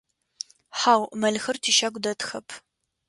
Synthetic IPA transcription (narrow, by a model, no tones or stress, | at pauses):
ħaːwmɐɮxɨrtʰiːʃɐɡʷdɐtʰxɐpʰ